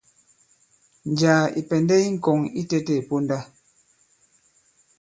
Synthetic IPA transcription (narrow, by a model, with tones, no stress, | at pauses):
n˨d͡ʒaː˨ḭ˨pɛ˨ndɛ˦i˦ŋ̩˦˨kɔ˨ŋi˦tɛ˦tɛ˦˨po˦nda˦